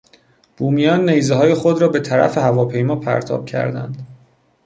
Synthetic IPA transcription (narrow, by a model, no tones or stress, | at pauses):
b̥uːmijɒːnːejzeɦɒːje̞xo̞d̪ɾɒːbe̞t̪ʰæɾæ̰fe̞hævɒːpʰe̞jmɒːpʰæ̰ɾt̪ʰɒ̰ːb̥̚cʰæ̰ɾd̪æ̰nd̪